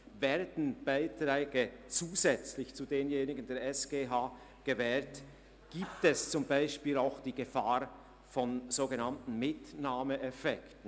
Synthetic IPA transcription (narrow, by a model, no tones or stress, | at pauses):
vɛːɐdn̩b̥aɪtʁɛːɡət͡suːzɛt͡slɪçt͡sudeːnjeːnɪɡən̩deːɐɾɛsɡ̥eːɦaː | ɡ̥əvɛːɾt | ɡ̥iːp̚tɛst͡sʊmbaɪʃpiːlaʊxd̥iːɡəfaːɾ | fɔnz̥oːɡənantn̩mɪtnaːməʔɛfɛktən̩